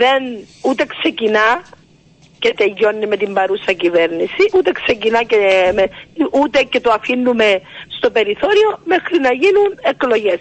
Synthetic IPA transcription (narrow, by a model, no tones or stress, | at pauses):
ðenut̪e̞kse̞cinɐ | ce̞t̪e̞ʝːo̞nːime̞t̪imbɐɾusɐcive̞ɾnisiʔut̪e̞kse̞cinɐcemeʔut̪e̞ce̞t̪oɐfinːume̞st̪o̞pe̞ɾiθo̞ɾio̞me̞xɾinɐʝinune̞klo̞ʝe̞s